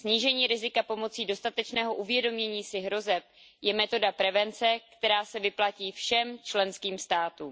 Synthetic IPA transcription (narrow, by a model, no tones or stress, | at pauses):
sɲiːʒɛɲiːɾɪzɪkapo̞mo̞t͡siːdo̞st̪at̪ɛt͡ʃnɛːɦo̞ʔuvjɛdo̞mɲɛɲiːsɪɦɾo̞zɛp̚ | jɛmɛt̪o̞dapɾɛvɛnt͡sɛkt̪ɛɾaːsɛvɪplaciːfʃɛmt͡ʃlɛnskiːmst̪aːt̪uːm